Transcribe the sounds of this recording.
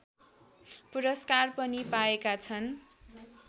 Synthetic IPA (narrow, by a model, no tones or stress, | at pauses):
puɾʌskarpʌnipaekat͡sʰʌn